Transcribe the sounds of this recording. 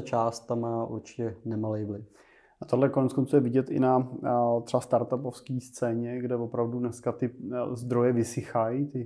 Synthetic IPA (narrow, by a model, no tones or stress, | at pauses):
t͡ʃaːst̪ːamːaːʔṵɾt͡ʃɪ̥cɛnɛmalɛjblɪ | at̪oɦlɛkonɛt̪skont͡suːjɛvɪɟɛt̪ʔɪ̰nat̪r̥ɛbast̪aɾt̪apofskiːst͡sɛːɲɛɡdɛvo̞pɾavdudnɛskat̪ɪzd̪ɾo̞jɛvɪsɪxajit̪ɪ